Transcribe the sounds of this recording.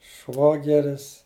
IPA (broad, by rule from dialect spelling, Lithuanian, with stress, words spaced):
ˈʃʋoːɡʲɛrʲɪs